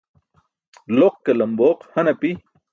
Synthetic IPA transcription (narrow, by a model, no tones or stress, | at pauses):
loq̚kɐlɐmboːqhɐnɐpi